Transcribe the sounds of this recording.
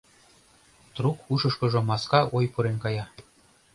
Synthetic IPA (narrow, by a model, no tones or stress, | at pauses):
t̪rukuʃɤ̆ʃkɤ̆ʒɤ̆mɑskɑʔojpɤ̆ɾenkɑjɑ